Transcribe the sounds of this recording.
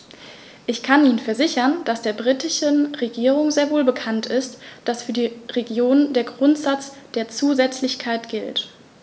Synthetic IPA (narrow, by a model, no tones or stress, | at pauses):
ʔɪçkʰanʔiːnənfɛɐzɪçɐnd̥asd̥eːɐbʁitɪʃənʁeɡiːʁ̞ʊŋzeːɐvoːlbəkʰantɪstd̥asfyːɐdiːʁeɡjoːnndeːɐɡʁʊntz̥at͡sd̥eːɐt͡suːzɛt͡slɪçkʰaɪtɡ̥ɪlt